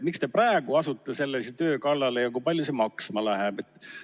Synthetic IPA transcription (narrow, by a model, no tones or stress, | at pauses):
mikst̪e̞præeɡ̥uɑsut̪ːˑese̞lːesit̪ø̞ːkɑlːɑlejɑkujpɑlʲjusemɑksmɑlæɦɛb̥e̞t̪ːˑ